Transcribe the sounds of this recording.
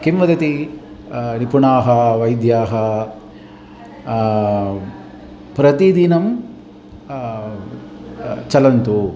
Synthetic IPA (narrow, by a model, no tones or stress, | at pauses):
kimʋɐd̪ɐt̪i | nipuɳaːɦɐʋɐjd̪jaːɦɐ | pɾɐt̪id̪inɐm | t͡ʃɐlɐnt̪u